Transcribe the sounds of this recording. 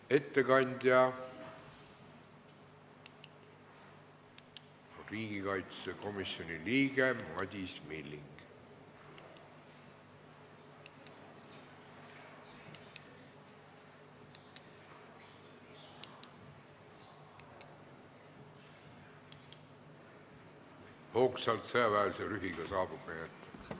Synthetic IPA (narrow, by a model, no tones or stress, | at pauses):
e̞t̪ːe̞kɑnʲd̪̥ʲjɑ | riːɡikɑjt̪seko̞misjo̞nʲiliːɡemɑd̪̥ʲismilːiŋɡ̥ | hoksɑlt̪seɑvæelseɾyɦiɡɑsɑːbub̥eet̪ː